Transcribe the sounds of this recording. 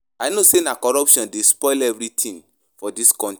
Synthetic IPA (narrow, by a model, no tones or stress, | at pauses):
aɪnosenakɔɹɔpʃɔ̃ndespɔɪlɛvɹitʰĩn | fɔdiskɔ̃nt